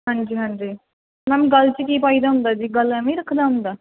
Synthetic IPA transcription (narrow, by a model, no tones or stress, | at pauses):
ɦãɲd͡ʒiːɦãɲd͡ʒiː | mɛ̃ːmɡəlt͡ʃəkiːpaːiːd̪aːɦʊ̃nd̪aːd͡ʒiːɡəlɛmẽɾəkʰd̪aːɦʊ̃nd̪aː